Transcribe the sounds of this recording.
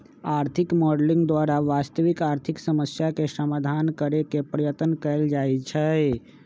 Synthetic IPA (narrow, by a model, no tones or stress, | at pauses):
aɾt̪ʰikmɔɖlĩŋɡd̪waɾaʋast̪əʋikaɾt̪ʰiksəməsjakesəmad̪ʱankəɾekepɾəjət̪ənkəld͡ʒajt͡ʃʰɛ